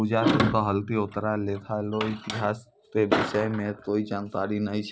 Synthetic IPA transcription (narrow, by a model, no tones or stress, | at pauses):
ʊd͡ʒaːt̪ʊnkaɦəlt̪iʊt̪ɾaleːt̪ʰaloɪt̪ɪɦaːs | pebɪʃəjmẽkoːid͡ʒaːnt̪aːɾinəĩt͡ʃʰ